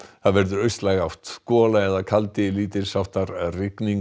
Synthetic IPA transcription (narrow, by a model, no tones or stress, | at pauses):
θaðvɛɾðʏɾœɥst̪lajɣaw̥t̪skɔːlaɛðakʰalt̪ɪliːt̪ɪɾ̥sawht̪aɾrɪkniŋ